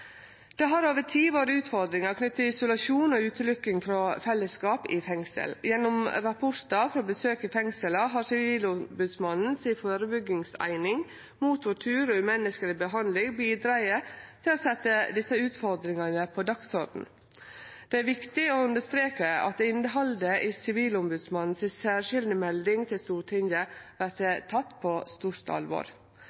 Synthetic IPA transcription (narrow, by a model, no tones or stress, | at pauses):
d̪̥ɛɦɑɾoːʋəʈʰiːʋoːɾəʉːt̪fɔɾd̪ɾɪŋɑɾkʰnʏt̪ːəɪsʊlɑʃuːnɔʉːt̪əlʏkːɪŋfɾɔfɛlːəskɑːpɪfɛŋsə̰ljɛnːɔmɾɑpʰʊɾt̪ɑfɾoːbəsøːkɪfɛŋsələɦɑɾsɪiːlʊbʉd̪smɑnn̩sɪfoːɾəbʏɡɪŋsæ̰ɪnɪŋ | muːt̪ʰʋʊʈʰʉːɾɔmɛnːəskəlɪbəɦɑnlɪŋbiːd̪ɾɑɪət̪ʰɪloːsɛt̪ːəd̪ɪsəʉːt̪fɔɾd̪ɾɪŋənəpʰɔd̪ɑksɔɾɖn̩ | d̪̥ɛæɾʋɪkt̪ɪoːʉnd̪əst̪ɾeːkəɑ̰t̪̚ɪnd̪əɦɑld̪əʔɪsɪʋiːlɔmbʉd̪smɑnn̩sɪsæːʃɪld̪əmɛld̪ɪŋt̪ʰɪlst̪uːʈʰɪŋəʋæɾt̪ət̪ʰɑt̪ːpʰɔst̪uːɾt̪ɑ̰lʋo̰ːɾ